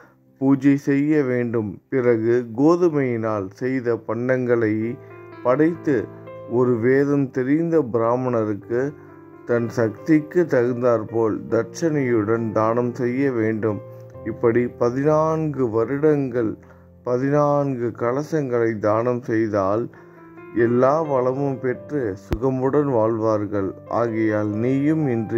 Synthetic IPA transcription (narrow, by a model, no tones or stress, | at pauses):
puːd͡ʒɐsɛjːɐʋeːɳɖɯmpɪrɐɣɯɡoːðɯmɐjɪnaːlsɛjðɐpɐɳɖɐŋɡɐɭɐɪpɐɽɐɪt̪ːɯ | ɔɾɯʋeːðɐmt̪ɛɾɪnd̪ɐbɪɾaːmɐnɐɾɯkːɯ | t̪ɐnsɐkt̪ɪkːɯt̪ːɐɾɯnd̪aːɾpoːld̪ɐɾt͡ʃɐnɐjɯɽɐnd̪aːnɐmsɛjːɐʋeːɳɖɯm | ɪpːɐɽipɐðɪnaːnɡɯʋɐɾɯɽɐŋɡɐɭ | pɐðɪnaːnɡɯkɐɭɐsɐŋɡɐɭɐɪd̪aːnɐmsɛjðaːl | ɛlːaːʋɐɭɐmɯmpɛʈrɯsʊɣɐmɯɽɐnʋaːɭʋaːɾɣɐɭʔa̰ːɣɐjaːlniːjɯmɪndrɯ